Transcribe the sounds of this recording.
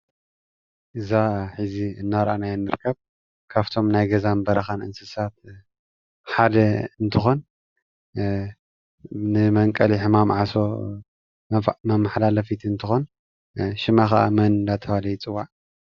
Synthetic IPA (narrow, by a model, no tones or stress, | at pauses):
ʔɨzaħɨziɨnːaɾʔanajɛnːɨɾɨkʰːɐβ | kʰaβt̪ʰo̞mnajɡɐzanbɐɾɐxanʔɨ̰nsɨsat̪̚ | ħad̪ɐɨnt̪ʰɨxo̞n | nɨmɐŋkʼɐliħɨmamʕaso̞ | mɐmaħlalɐfit̪ʰiɨnt̪ʰɨxo̞n | ʃɪmaxaʔa̰mɐnd̪at̪ʰɐwalɐjit͡sʼɨwːaʕ